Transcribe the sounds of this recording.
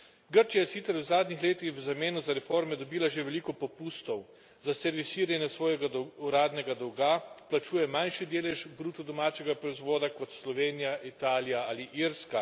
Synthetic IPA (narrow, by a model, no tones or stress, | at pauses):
ɡəɾt͡ʃijajɛsit̪sɛɾwzaːd̪nixleːt̪ixwzameːnuzaɾɛfoɾmɛd̪ɔbiːlaʒeʋɛliːkɔpɔpuːst̪ɔw | zasɛɾʋisiɾanjɛsʋɔːjɛɡad̪uɾaːd̪nɛɡad̪ɔwɡaplat͡ʃuːjɛmanʃid̪eːlɛʒbɾuːt̪ɔd̪ɔmaːt͡ʃɛɡapɾɔizʋoːd̪akɔt̪slɔʋeːnijaʔit̪aːlijaaːliʔiɾska